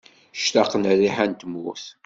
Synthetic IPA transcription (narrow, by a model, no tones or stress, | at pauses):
ʃt̪aqːnriħænt̪əmʊθ